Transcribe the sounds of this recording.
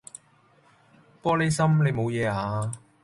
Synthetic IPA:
pɔː˥le˨˧jsɐ˥mle˨˧jmo˨˧wjɛː˨˧aː˨˧

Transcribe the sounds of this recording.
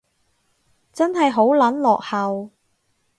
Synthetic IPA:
t͡sɐ˥nɦɐ˨jɦo˨˥wlɐ˨˥nlɔ̰ː˨k̚hɐ˨w

